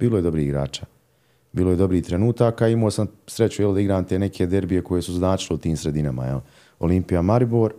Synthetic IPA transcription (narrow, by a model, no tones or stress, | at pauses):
b̥iːlˠojedo̞bɾiːhiɡɾa̰ːt͡ʃaː | biːloje̞d̪o̞bɾiːht̪ɾenuːt̪aːkaimoːsamsɾet͡ɕujelid̪aiɡɾaːmt̪eːnekʰeːd̪eɾbije̞ko̞jesuznaːt͡ʃileut̪iːmsɾed̪inama̰jeli | o̞̰limpijamaɾiboːɾ